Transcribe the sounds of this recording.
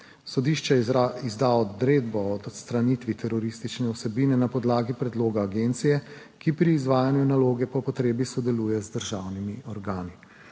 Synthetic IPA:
sɔd̪iʃt͡ʃɛizd̪aɔd̪ɾeːd̪bɔɔd̪ɔt̪st̪ɾanit̪ʋit̪ʰɛɾɔɾist̪it͡ʃnɛɔsɛbiːnɛnapɔd̪laːɡipɾɛd̪loːɡaːɡent̪sijɛ | kipɾiːzʋaːjanjunaloːɡɛpɔpɔt̪ɾeːbisɔd̪ɛluːjɛzd̪əɾʒawnimiɔɾɡaːni

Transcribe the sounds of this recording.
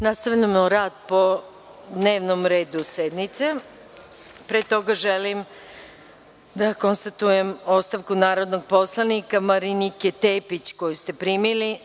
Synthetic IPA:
nast̪aʋʎamoɾaːd̪̚po̞ | d̪ne̞ːʋnomɾe̞ːd̪used̪nit̪se | pɾeːt̪o̞ɡaʒelim | d̪ako̞nst̪at̪uje̞mo̞st̪aʋkunaːɾo̞d̪noɡ̚po̞slˠanikamaɾiniket̪eːpit͡ɕko̞just̪e̞pɾimili

